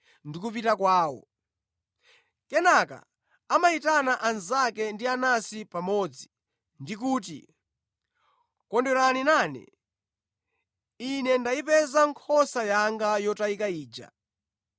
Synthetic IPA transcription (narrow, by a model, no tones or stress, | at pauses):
ndik̬upitakwaːwɔ̰ | kɛnaka̰ | amaitanaʔanzakɛndianasipamɔd͡zi | ndik̬uːt̬ḭ | kɔndɛɾaninaːnɛ̰ | inɛndaipɛzaŋkʰɔsajaŋɡajɔtaikaiːd͡ʒa̰